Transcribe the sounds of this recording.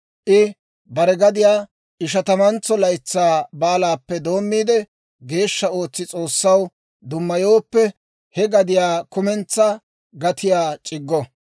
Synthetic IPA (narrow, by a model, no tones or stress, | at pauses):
ʔɪ | bɐɾɛɡɐd̪ɪjaː | ʔɪʃ̬ɐt̪ɐmɐnt͡sːɔlɐjt͡sːaːbaːlaːpːɛd̪o̞ːmːiːd̪ɛ | ɡe̞ːʃːɐo̞ːt͡sːɪt͡sʼo̞ːsːɐw | d̪ʊmːɐjoːpːɛ | hɛɡɐd̪ɪjaːkʊmɛnt͡sːɐ | ɡɐt̪ɪjaːt͡ʃʼɪɡːɔ